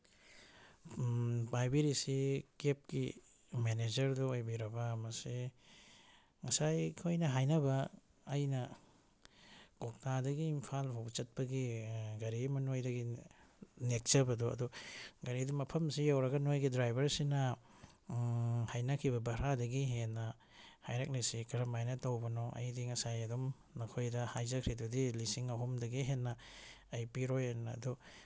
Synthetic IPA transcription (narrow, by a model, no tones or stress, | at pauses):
pajbiɾisikep̚ki | mened͡ʒɐɾduojbiɾɐbɐmɐsi | ŋɐsajkʰojnɐɦajnɐbɐː | jnɐ | kok̚tadɐɡiːmpʰalpʰawbt͡ʃɐt̚pɐɡiɡɐɾimɐnojdɐɡi | nek̚t͡ʃɐbɐduɐ̰duɡɐɾidumɐpʰɐmsijawɾɐɡɐnojɡidɾajbɐɾsinɐ | hajnakʰibɐbɐɾadɐɡiɦenːɐ | hajɾak̚nesikɐɾɐmajnɐtowbɐnɔʔɐ̰jdiŋɐsajɐdum | nɐkʰojdɐhajzɐkʰɾidudilisiŋɐɦumdɐɡiɦenːɐːjpiɾojanɐ̰ːdɔ